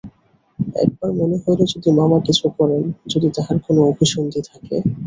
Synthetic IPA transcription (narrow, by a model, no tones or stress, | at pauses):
ɛ̰k̚baɾmoneɦoelod͡ʑod̪imamakit͡ɕʰukɔɾend͡ʑod̪it̪aɦaɾkonoobʱiʃond̪ʱit̪ʰakḛ